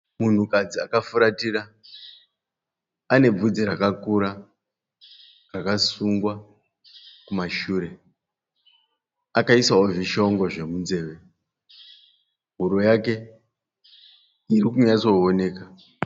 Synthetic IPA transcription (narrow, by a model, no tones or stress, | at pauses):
mun̤ukad͡zia̰kafuɾatira | ne̞b͡vud͡zirakakuɾa | rakasuŋɡwa | kumaʃuːɾe̞ | akaisaoviʃoŋɡo̞ʐe̞munze̞ːʋe̞ | ɦuɾo̞jake̞ | irikuɲat͡so̞one̞ːka